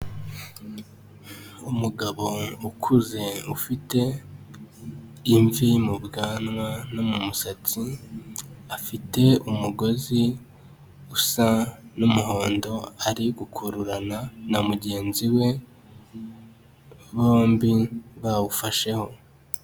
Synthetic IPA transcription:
umuɡaβo̞ukʰuze̞ufite̞ | iɱvimubɡaːnwanomumusat͡si | afite̞umuɡo̞zi | usanumuɦo̞ːndo̞aɾiɡukʰuɾuɾananamuɟe̞ːnziwe̞ | βoːmbiβawufaʃe̞ho̞

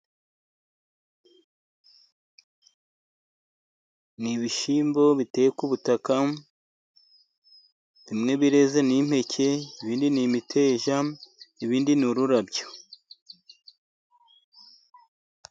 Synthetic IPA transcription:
niβiʃiːmbo̞βite̞jekuβutaka | βimŋe̞βiɾe̞zenim̥he̞cʰe̞iβiːndinimitʰe̞ːʒaiβiːndinuɾuɾabjo̥

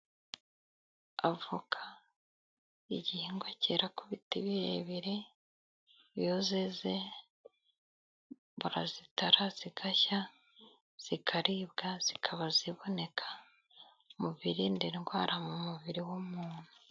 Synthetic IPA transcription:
avukʰḁ | iɟihiŋɡwaceɾakuβitiβijeβiɾi | jozeze | βuɾa̰zitaɾaz̥iɡaça | z̥ikʰaɾibɡaz̥ikʰaβaziβo̞ne̞kʰḁ | muβiɾindiŋɡwaːɾamumuβiɾiwumuːn̥u

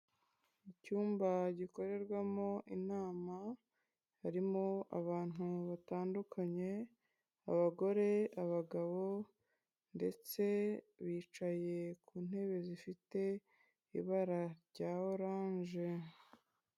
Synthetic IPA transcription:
icuːmbaɟiko̞ɾe̞ɾɡwamo̞ʔinaːma | haɾimo̞a̰βaːn̥uβataːndukʰaɲe̞ | a̰βaɡo̞ɾe̞aβaɡaβo̞ | nde̞t͡se̞ | βiːt͡ʃaje̞kuːn̥he̞βe̞zifite̞ | ḭβaɾaɾɟaːoɾaːɲʒe

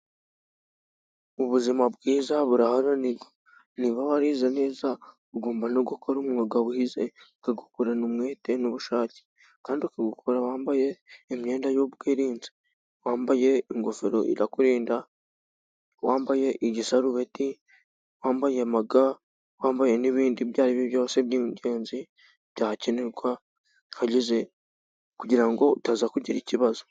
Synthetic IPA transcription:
uβuzimaβɡiːzaβuɾahaɾaniɡa | niβaβaɾiːzane̞ːza | uɡoːmbanoɡokʰoɾomŋaɡaβuhizḛkaɡukuɾanumwe̞ːte̞noβuʃaːce̥ | kaːndiukaɡukuɾawaːmbaje̞ːmɲeːndajoβɡeːɾiːnzi̥ | waːmbaje̞iŋɡofeɾo̞̰ʔḭɾakuɾiːnda | waːmbaje̞ʔiɟisaɾuβeti | waːmbajemaɡa | waːmbajeniβiːndiβjaːɾiβeβjoːseβjiːɟe̞ːnzi | b̥jaːhaceneɾɡwa | haɟize̞ | kuɟiɾaŋɡo̞tazakuɟiɾiciβazo

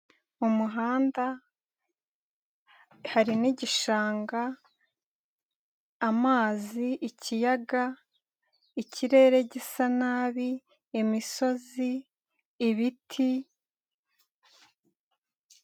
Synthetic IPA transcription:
umuɦaːnda | haɾiniɟiʃaːŋɡa | maːziicʰijaɡa | icʰiɾe̞ːɾe̞ɟisanaːβi | emiso̞ziː | βitʰi

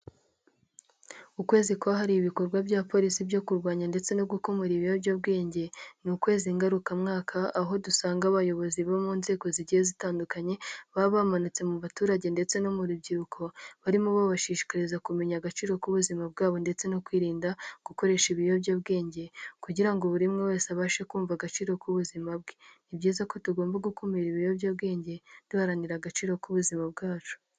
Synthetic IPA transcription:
ukwe̞ːzikoβaɦaɾiːβiko̞ɾɡwabɟaːpo̞ːɾisibjo̞kuɾɡwaːɲande̞t͡se̞no̞ɡuko̞moɾiβijobɟabɡe̞ːɲɟe̞nukwe̞ːziŋɡaɾukamŋaːkʰaːɦo̞dusaːŋɡaβajo̞βo̞ziβomuːnze̞ːɡo̞ziɟihezitaːndukaɲe̞βaβamanut͡se̞muβatuːɾaɟe̞nde̞t͡se̞no̞muɾubɟiɾukʰo̞βaɾimuβaβaʃiːʃi̥kaɾizakume̞ɲaɡat͡ʃiːɾo̞kuβuzimab̚ɡaːβo̞nde̞t͡se̞no̞kwiːɾiːndaɡ̥uko̞ɾe̞ʃiβijobjaβɡe̞ːɲɟe̞kuɟiɾaŋɡoβuɾimŋewe̞ːsaβaːʃekuːɱvaɡat͡ʃiːɾo̞kuβuzimabɡeibɟiːzako̞tuɡo̞ːmbaɡukumiɾiβijo̞bɟaːbɡe̞ːɲɟe̞d̥uhaɾaniɾaɡat͡ʃiːɾo̞kuβuzimab̚ɡaːt͡ʃu̥

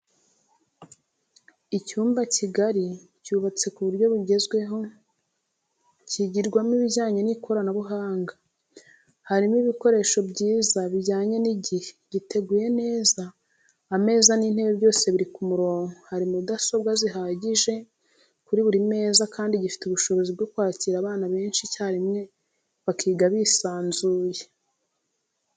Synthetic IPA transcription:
icuːmbacʰiɡaɾi | cuːβat͡se̞kuβuɾɟo̞βuɟe̞zɡwe̞ɦo̞ | ciɟiɾɡwamiβiɟaːɲe̞nikʰo̞ɾanaβuɦaːŋɡa | haɾimiβiko̞ɾe̞ːʃo̞bɟiːzaβiɟaːɲe̞niɟihe̥ɟite̞ɡuːje̞ne̞ːzaː | me̞ːzanin̥he̞βebɟo̞ːse̞βiɾikumuɾo̞ːŋɡohaɾimudaso̞bɡaziɦaːɟiʒe̞ | kuɾiβuɾime̞ːzakʰaːndiɟifi̥tuβuʃo̞βo̞zib̚ɡo̞kwaːciɾaβaːnaβe̞ːnʃicaɾimŋe̞ | βakʰiːɡaβisaːnzuːje

